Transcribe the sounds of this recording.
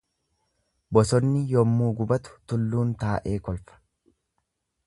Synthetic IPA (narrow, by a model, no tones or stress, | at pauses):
bɔsɔnːɪjɔmːuːɡʊbɐt̪ʊ̥t̪ʊlːuːnt̪aːʔe̞ːkɔlfɐ̥